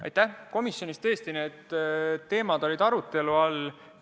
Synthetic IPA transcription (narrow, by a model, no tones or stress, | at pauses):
ɑ̰jt̪ːæhko̞misjo̞nist̪e̞ːst̪ine̞ːd̪̥ː | e̞ːmɑd̪̥o̞lʲid̪̥ɑɾut̪ˑːe̞luɑl